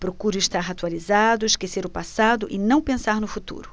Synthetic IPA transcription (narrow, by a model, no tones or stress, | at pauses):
pɾokuɾʊiʃt̪aɾat̪ualizad̪ʊiʃkeseɾʊpasad̪ʊʔɪnɐ̃w̃pẽsaɾnʊfut̪ṵɾʊ